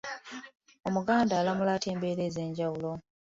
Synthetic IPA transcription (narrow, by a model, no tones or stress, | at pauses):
omuɡaːndaːlamulaːte̞ːmbe̞ːɾe̞ːze̞ːɲɟawulo̞